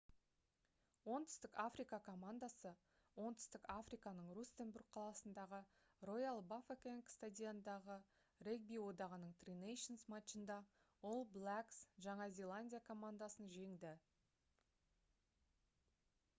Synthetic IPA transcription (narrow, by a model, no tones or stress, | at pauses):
wo̞nt̪ʰʏ̥st̪ɪkafrijkɑkʰo̞mand̪asə | wo̞nt̪ʰʏ̥st̪ɪkafrijkɑnəɴrust̪enburɡ̚qʰɑlˠɑsənd̪ɑʁə | ro̞jalˠbafekʲeŋkst̪ad̪ʲijand̪ɑʁə | reɡ̚bijwo̞d̪ɑʁənəɴt̪rinejʃonsmat̪ʃənd̪ɑ | wolˠblˠaksʒɑɴɑzʲe̞lˠanʲdʲijakʰo̞mand̪asənʒe̞ŋd̪ɪ